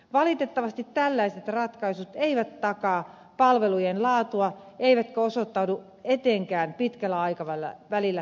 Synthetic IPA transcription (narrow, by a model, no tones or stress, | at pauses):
ʋɑlit̪et̪ːɑʋɑst̪it̪tːælːæiset̪rɑt̪kɑisut̪eiʋæt̪ːɑkɑː | pɑlʋelujenlɑːt̪uɑ | eiʋæt̪køosot̪ːɑudu | et̪eːŋkæːnpit̪kælːæɑikɑʋælːæ̰ʋælilːæ